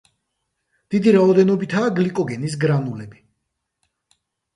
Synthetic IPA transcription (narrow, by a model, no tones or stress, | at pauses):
d̪̥id̪iɾaɔd̪ɛnɔbit̪ʰaːɡlikʼɔɡɛnis̬ɡɾanulɛbi